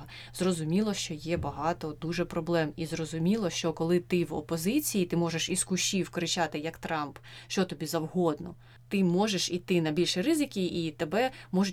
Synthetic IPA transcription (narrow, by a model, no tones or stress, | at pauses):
ɐ | zrɔzʊmʲilˠɔʃt͡ʃɔjɛbɐɦɑt̪ɔd̪uʒɛpɾɔblˠɛmizrɔzʊmʲilˠɔʃt͡ʃɔkɔlˠɪt̪ɪwɔ̰pɔzɪt͡sʲijit̪ɪmɔʒeʃiskʊʃʲiwkɔɾɪt͡ʃɑt̪ɪjɐkt̪ɾɑmpʃt͡ʃɔt̪ɔbʲizɐwɦɔd̪nɔ | t̪ɪmɔʒeʃit̪ɪnɐbʲilʲʃiɾɪzɪkʲiit̪ebɛmɔʒʊ